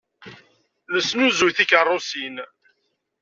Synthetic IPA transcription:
ləsnuzujθikərˤːʊsin

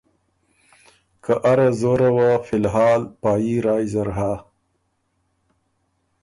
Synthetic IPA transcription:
kaʔaɾazoɾawafɪlɦɑːlpɑːjiɾɑːjzaɾɦa

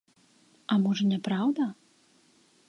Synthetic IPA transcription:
ɐmɔʐɐnʲɛpɾawd̪ɐ

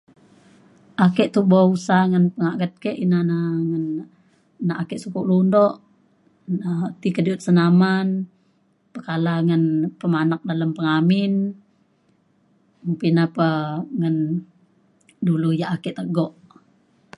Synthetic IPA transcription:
ʔakɛʔt̪uhbausaŋənpəŋaʔɡət̪̚kɛʔinanaŋən | naʔakɛʔsukuʔlundɔʔ | nət̪ikədiut̪̚sənaman | pəkalaŋənpəmanak̚daləmpəŋamin | mpinapəŋən | dulujaʔakɛʔt̪əɡɔʔ

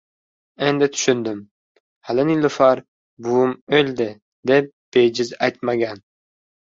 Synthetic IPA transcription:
end̪ɪt̪ʰʊ̥ʃʏnd̪ɪm | halɪnɪlʊfaɾ | buʊmølʲd̪ɪ | d̪ep̚b̥ejd͡ʒɪzajt̪maɡʲan

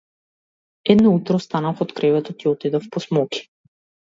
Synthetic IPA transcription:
ɛd̪nɔut̪ɾɔst̪anafɔt̪kɾɛvɛt̪ɔt̪iɔt̪id̪ɔfpɔsmɔki̥

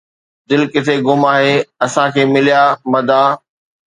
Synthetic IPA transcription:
d̪ɪlkɪt̪ʰeɡʊmaːɦeːɐsãkʰeːmɪlijaːmɐd̪ʱãː

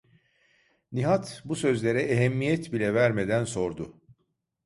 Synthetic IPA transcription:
niɦat̪busø̞zlʲe̞ɾɛʔeɦɛmːijɛt̪bilʲɛvæɾme̞d̪ænso̞ɾd̪ʊ

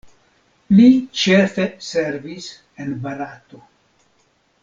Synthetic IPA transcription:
lit͡ʃefese̞ɾvis | enbaɾato

